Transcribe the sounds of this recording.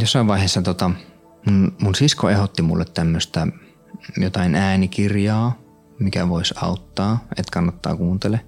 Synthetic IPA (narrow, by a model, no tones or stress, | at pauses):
josːɑˑiʋʋɑˑiheːˑsːɑt̪ot̪ɑ | munmunsiskoehot̪ːimṵlːet̪t̪æmːøst̪æ | jot̪ɑinæːnikirjɑː | mikæʋoisɑ̰ut̪ːɑːet̪kɑnːɑt̪ːɑ̰ːkuːnt̪ele